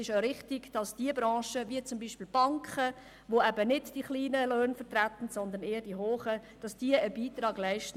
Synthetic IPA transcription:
ɪʃoʊɾɪχtɪɡd̥ɑsd̥iəbɾɑ̃ːʃəviət͡sʊmbiːʃpɪːlb̥ɑŋkχə | ʋoɛbənɪdd̥iχliːnəløːnfət̪ɾæt̪ən̩sɔnd̪əneːəd̥iɦoːχəd̥ɑsd̥iəəbiːt̪ɾɑːɡ̥læɪʃtə

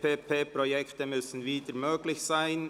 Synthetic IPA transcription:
pʰeːpʰeːpʁojɛkt̪əmʏsn̩viːdəmøːɡlɪçsaɪn

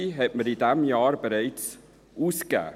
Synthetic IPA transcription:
iɦɛt̚mədidæmjɑːrbəɾɛjs | uskæ̰

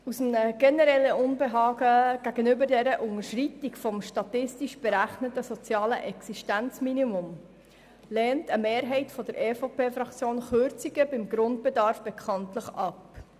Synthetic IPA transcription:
usm̩nəɡ̥ɛnɛɾɛlːəʔʊnbeɦɑːɡəɡ̥æɡ̥ənʏbədɛɾəʔʊŋəɾʃritikfɔmʃtɑtɪstiʃb̥eɾæχnətəsɔt͡sjɑːlə̰ʔɛksiʃtænt͡sminimʊm | lɛːntəmeːɾɦɛɪtfɔd̥əɾʔeːfopeːfɾɑkt͡sjoːnχøɾt͡siɡəbɪmɡɾʊnd̚b̥edɑɾfb̥ɛkʰɑntləχɑp

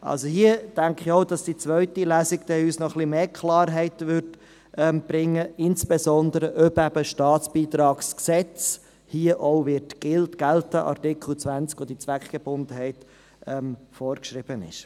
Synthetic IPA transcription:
ʔɑ̰lsohiəd̥æŋkχiɔʊd̥ɑsd̥it͡sʋœʏtilæːsɪkd̥ɛyːsnɔχlimeːkʰlɑːɾɦɛɪtʋʏɾd | ʔɛmb̥ɾɪŋːəɪnsb̥esɔnd̪əɾəʔœbæbəʃtɑːtt͡sb̥iːt̪ɾɑːksksɛt͡s | hiːəʔɔʊvɪtɡ̥ɪltɡ̥æltəʔɑ̰ɾtɪkχl̩t͡sʋænt͡skʋod̥̪it͡sʋækχɡ̥eb̥ʊndəɦɛɪt | ɛmfɔːɾkʃɾɪb̥ənɪ̰ʃ

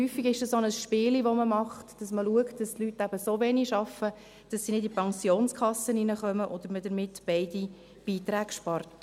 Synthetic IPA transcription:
hyːfiɡɪʃd̥ɑsonəsʃpɪːliʋoməmɑχtd̥ɑsməluəktd̥ɑstlytːæb̥əsovɛniʃɑfə | d̥ɑsːinɪdipɑŋsjoːnskʰɑsəninəχœməʔod̥̪əɾmədəɾmɪtb̥ɛɪdi | b̥iːtɾæːɡʃpɑrt

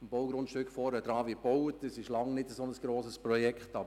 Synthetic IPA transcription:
əmb̥oʊɡɾʊntʃtøkχfɔɾəd̥ɾɑːʋib̥owətdəsɪʃlɑŋnɪdəsonəsɡ̥ɾoːsəsprɔjɛkχtɑbə

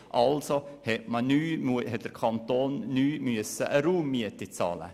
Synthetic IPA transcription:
ʔɑlsohɛtmənyːmhɛt̚d̥əɾkʰɑnt̪oːnːyːmyəsəʔəɾuːmːiətit͡sɑ̰ːlə̰

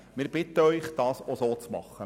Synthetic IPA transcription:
mɪːɾb̥ɪtəœʏχd̥ɑːsosoːt͡smɑ̰χːə

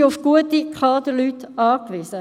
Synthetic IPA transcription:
ʊfɡ̥uətikχɑːdəlytɑːkʋiːsə

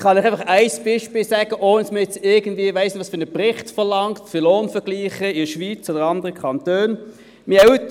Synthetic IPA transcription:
χɑnɪχæɪfɑχæɪsb̥iʃpiːlsæɡ̥əʔoːnəsməjɛt͡sɪɐɡən̩dviːəvaɪsd̥ʋɑːsfʏnəpʁɪχtfəʁlɑŋktfyloːnfəɡ̥liːχəɪdʃʋiːt͡soːdəɑndəʁəkʰɑntøːn | mɪɛt

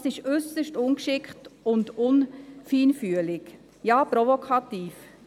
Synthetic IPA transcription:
sɪʃʏsəʃtʊnkʃɪkχtʊndʊnfiːnfyəlɪɡ | jɑːpɾɔvokʰɑtiːf

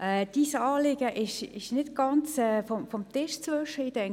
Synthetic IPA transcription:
ʔɛːd̥isɑːlɪɡ̥əʔɪʃɪʃnɪtɡ̥ɑnt͡sɛːfɔmfɔmt̪ɪʃt͡sʋøʃəid̥ɛŋ

